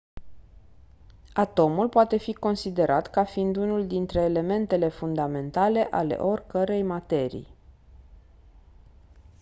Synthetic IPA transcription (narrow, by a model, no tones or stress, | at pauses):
at̪o̞mulpoat̪e̞fiko̞nsid̪e̞ɾʔat̪kafind̪unuld̪int̪ɾe̞ːle̞me̞nt̪e̞le̞fund̪ame̞nt̪ale̞ʔale̞̰ʔo̞rʲkəɾe̞jmat̪e̞ɾḭj